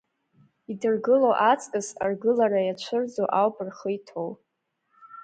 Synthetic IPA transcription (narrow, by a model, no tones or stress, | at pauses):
idɨrɡɨlowʔat͡sʼkʼɨsarɡɨlaɾajat͡ʃʷʰɨrd͡zoʔawpʼɨrχəjtʰow